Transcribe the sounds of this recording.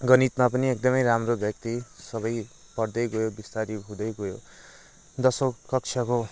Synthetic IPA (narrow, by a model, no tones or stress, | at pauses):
ɡʌnit̪mapʌniek̚d̪ʌmʌjɾamrobjʌk̚t̪isʌβʌj | pʌrd̪ʌjɡojobist̪aɾiɦũd̪ʌjɡojo | d̪ʌsokʌk̚t͡ʃʰʌko